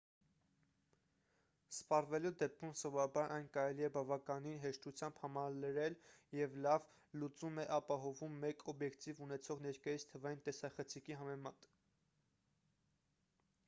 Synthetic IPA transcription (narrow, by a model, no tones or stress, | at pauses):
spɑrvɛlud̪ɛp̚kʰumsɔvɔɾɑbɑɾʔɑjnkɑɾɛliɛbɑvɑkɑninɦɛʃt̪ut͡sʰjɑmb̥hɑmɑɾləɾɛljɛvlɑv | lut͡sumɛʔɑpɑɦɔvumːɛkʰɔbjɛkt̪ivunɛt͡sʰɔʁnɛɾkɑjit͡sʰt̪ʰəvɑjint̪ɛsɑχət͡sʰikiɦɑmɛmɑt̪